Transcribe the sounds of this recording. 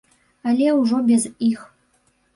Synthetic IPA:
alʲɛuʐobʲɛzix

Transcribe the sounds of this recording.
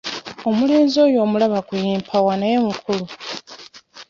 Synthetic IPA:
o̞mule̞ːnzo̞ːjo̞ːmulaβakujiːmpʰawanajemukʰulu

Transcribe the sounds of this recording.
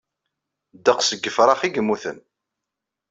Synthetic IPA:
d̪əqsəɡːəfɾˤɑχiɡəmːuθə̰n

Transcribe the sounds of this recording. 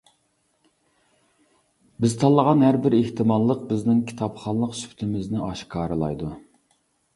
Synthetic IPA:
bɪzt̪ʰɑlˠːəʁɑnɦæɾbɪɾeht̪ʰɪmɑlˠəq̚bɪznɪŋkʲʰi̥t̪ʰɑpχɑnlˠəqsy̥pʰt̪ʰɪmɪznɪɑʃkʰɑːɾɨlˠɑ̰jd̪u

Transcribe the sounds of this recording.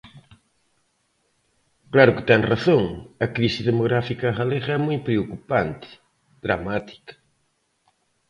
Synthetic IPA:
klaɾʊkɪ̥t̪ɛŋraθoŋɐkɾisiðemoɣɾafikɐɣaleɣɐɛmojpɾeokupant̪ɪ̥ | ðɾamat̪i̥kɐ̥

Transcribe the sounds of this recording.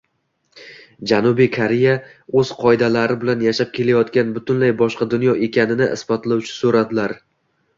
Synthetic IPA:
d͡ʒanʊbijkʰaɾeja | ɵz̥qʰɒɪd̪alaɾɪbɪlanjaʃap̚kʲʰe̞lajɒt̪kʲanbʊt̪ʊnlajbɒʃqɑd̪ʊnjɒʔe̞kʲʰanɪnɪʔɪ̰sbɒt̪lˠawt͡ʃʰɪ̥soɾad̪ɪlaɾ

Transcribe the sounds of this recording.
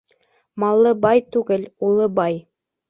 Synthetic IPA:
mɑlˠːɤbɑjt̪ʉɡɘlulˠɤbɑj

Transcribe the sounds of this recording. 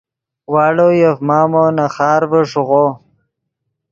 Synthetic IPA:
waːɽojafmaːmonaχɑːɾbəʂuʁoː

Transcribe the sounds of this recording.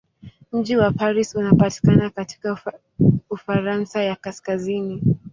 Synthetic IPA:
m̩d͡ʒiwapaɾisunapati̥kanakati̥ka | ufaɾansajakaskazini

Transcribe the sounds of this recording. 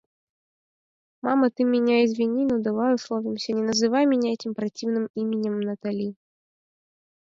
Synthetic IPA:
mamɐt̪ɨmʲːinʲaizʲvʲinʲinɐd̪avajɛslˠɔvʲimsʲɐnʲɛnɐzɨvajmʲinʲaɛtʲimpɾat͡sʲiwnɨmimʲɪnʲɛmnɐt̪alʲi

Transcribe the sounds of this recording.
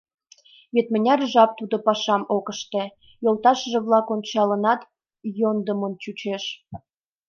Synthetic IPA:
βet̪mə̆nʲɑrʒɑp̚t̪ud̪opɑʃɑmokəʃt̪ĕ | jolt̪ɑʃəʒĕβlɑkonʲt͡ɕɑlənɑt̪ | jond̪əmont͡ɕut͡ɕeʃ

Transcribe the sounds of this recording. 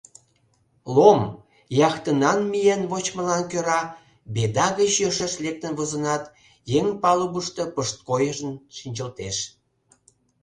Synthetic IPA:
lom | jɑxt̪ənɑnmijenβot͡ɕməlɑnkøɾɑ | bed̪ɑɣət͡ɕjøʃeʃlek̚t̪ənβozə̆nɑt̪ | jeŋpɑluβuʃt̪ə̽pəʃt̪̚kojəʒənʃinʲt͡ɕəlt̪eʃ

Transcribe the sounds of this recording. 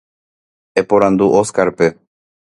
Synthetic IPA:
epoɾãnd̪uʔoskaɾpe

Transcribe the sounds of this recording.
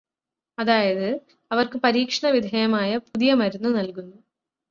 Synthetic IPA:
ɐðaːjɐðɨ | ɐʋɐrkɨpɐɾiːkʂɐɳɐʋid̪ʱɐjɐmaːjɐpuðijɐmɐɾunːunɐlkunːu

